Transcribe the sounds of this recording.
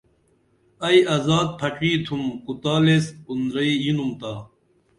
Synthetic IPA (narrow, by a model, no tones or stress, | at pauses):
ɐjɐzaːd̪̚pʰɐʈ͡ʂiːt̪ʰumkut̪aːlespund̪ɾɐijinumt̪aː